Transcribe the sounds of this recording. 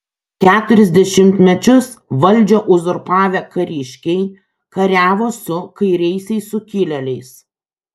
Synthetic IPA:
kʲæːt̪ʊɾʲɛzʲd̪ʲɛʃʲɪmʲt̪ʲmʲɛt͡ʃʲʊs | ʋɐlʲˑd͡ʒʲoːʔʊzʊɾpɑːʋʲɛkɐɾʲɪʃʲkʲɛɪ | kɐɾʲæːʋoːsʊkɐɪɾʲɛɪsʲɛɪsʊkʲɪlʲɛlʲɛɪs

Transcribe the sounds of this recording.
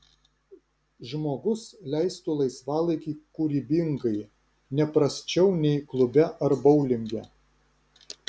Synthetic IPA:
ʒmoːɡʊslʲæɪst̪ʊlˠɐɪsʋɑːlˠɐɪkʲiːkʊɾʲiːbʲɪŋɡɐɪ | nʲɛpɾɐsʲt͡ʃʲɛʊnʲɛɪklˠʊbʲɛʔɐɾbɐʊlʲɪŋʲɡʲɛ

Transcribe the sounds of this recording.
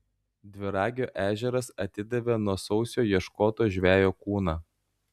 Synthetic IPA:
d̪ʲʋʲɪɾɑːɡʲoːʔæːʒʲɛɾɐsɐt̪ʲɪd̪ʲɛʋʲenuɔsɒʊsʲoːjiɛʃkoːt̪oːʒʲʋʲæːjoːkuːnɑː

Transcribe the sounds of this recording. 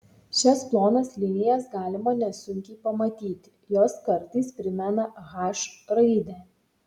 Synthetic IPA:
ʃʲɛsplˠoːnɐslʲɪnʲɪjɛsɡɑːlʲɪmɐnʲɛsʊŋʲkʲɛɪpɐmɐt̪ʲiːt̪ʲɪ̥joːskɐɾʲt̪iːspʲɾʲɪmʲɛnɐɣɑːʃɾɐɪd̪ʲɛ

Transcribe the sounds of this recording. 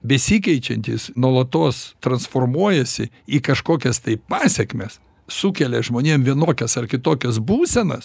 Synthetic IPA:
bʲɛsʲiːkʲɛɪt͡ʃʲɛnʲt̪ʲḭːsnuɔlˠɐt̪oːst̪ɾɐnsfoːrmuɔjɛsʲɪ | iːkɐʃkoːkʲɛst̪ɐɪppɑːsʲɛkmʲes | sukʲɛlʲɛʒmoːnʲeːmʋʲiɛnoːkʲɛsɐrkʲɪt̪oːkʲɛsbuːsʲɛnɐ̰s

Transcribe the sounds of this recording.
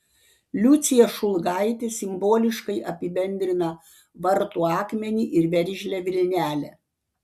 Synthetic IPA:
lʲʊt̪sʲɪjɛʃʊlˠɡɑɪt̪ʲesʲɪmboːlʲɪʃkɐɪʔɐpʲɪbʲɛnʲd̪ʲɾʲɪnɐ | ʋɐɾt̪uːɑːkmʲɛnʲiːʔɪɾʋʲɛɾʲʒʲlʲɛʋʲɪlʲnʲæːlʲɛ

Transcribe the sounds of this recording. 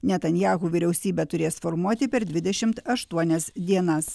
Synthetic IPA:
nʲɛt̪ɐnʲjæːɣuːʋʲɪɾʲɛʊsʲiːbʲɛt̪ʊɾʲeːsfɔɾmuɔt̪ʲɪpʲɛɾd̪ʲʋʲɪd̪ʲɛʃʲɪmt̪ɐʃt̪uɔnʲɛsd̪ʲiɛnɐs

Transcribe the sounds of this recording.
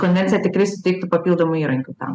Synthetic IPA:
kɔnʲʋʲɛnt̪sʲɪjɛt̪ʲɪkɾʲɪsʊt̪ʲɛɪk̚t̪ʊpɐpʲilˠd̪omʊiːɾɐŋʲkʲʊt̪ɐ̰m

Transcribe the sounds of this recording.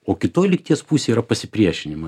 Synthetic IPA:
oːkʲɪt̪oːjlʲɪk̚t̪ʲiɛspuːsʲeiɾɐpɐsʲɪpʲɾʲiɛʃʲɪnʲɪmɐ

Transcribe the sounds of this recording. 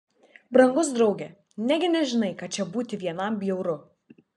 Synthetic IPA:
bɾɐŋɡʊsd̪ɾɐʊɡʲeː | nʲæːɡʲɪnʲɛʒʲɪnɐɪkɐt͡ʃʲɛbuːt̪ʲɪʋʲiɛnɐmbʲjɛʊɾʊ

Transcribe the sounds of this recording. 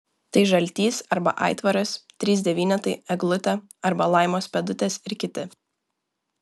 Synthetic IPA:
t̪ɐɪʒɐlʲt̪ʲiːsɐɾbɐ̰ʔɑ̰ɪt̪ʋɐɾʊst̪ʲɾʲiːzʲd̪ʲɛʋʲiːnʲɛt̪ɐɪɛɡlˠʊt̪ʲɛ | ɐɾbɐlˠɐˑɪmoːspʲɛd̪ʊt̪ʲeːsɪɾkʲɪt̪ʲɪ

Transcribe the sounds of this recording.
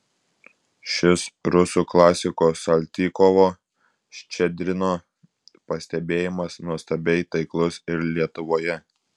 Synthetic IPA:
ʃʲɪsɾʊsuːklˠɑːsʲɪkoːsɐlʲt̪ʲiːkɔʋoː | ʃʲt͡ʃʲɛd̪ʲɾʲɪnoː | pɐsʲt̪ʲɛbʲeːjɪmɐsnuɔst̪ɐbʲɛɪt̪ɐɪklˠʊsɪɾlʲiɛt̪ʊʋoːjɛ

